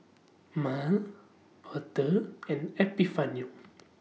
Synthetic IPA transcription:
mal | hɔt̪əɛ̃nɛpifãnju

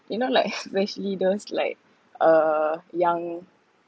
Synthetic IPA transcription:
junolaɪkɛspɛʃəlidosla̰ɪk̚ | əjãŋ

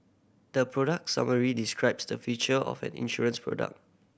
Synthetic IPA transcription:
d̥əpʰɹɔɾək̚sa̰məɹidiskɹaɪpsdəfit͡ʃəɔ̰fɛ̰̃nḭ̃nʃɔɹə̃nspʰɹɔ̰də̰k̚

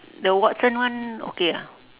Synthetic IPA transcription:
dəwɔʔsə̃nwãno̰kea

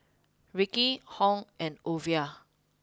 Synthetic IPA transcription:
ɹikihɔ̃ŋɛ̃novia

